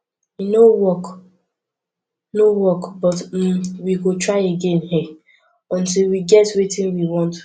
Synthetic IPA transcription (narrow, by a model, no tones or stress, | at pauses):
inowɔk | nowɔkbɔt̩wiɡotɹaɪeɡẽnɦɛ | ɔ̃ntilˠwiɡɛtwetĩnwiwɔ̃nt